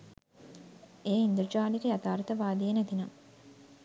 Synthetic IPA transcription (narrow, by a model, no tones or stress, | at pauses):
eːind̪uɾd͡ʒaːlikejat̪aːɾt̪əʋaːd̪ijenæt̪inam